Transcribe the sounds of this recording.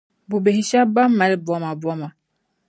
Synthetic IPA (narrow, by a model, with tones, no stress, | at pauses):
bu˨be˨hi˦ʃa˦ba˦mːa˨˦li˦bɔ˦ma˨bwɔ˦ma˨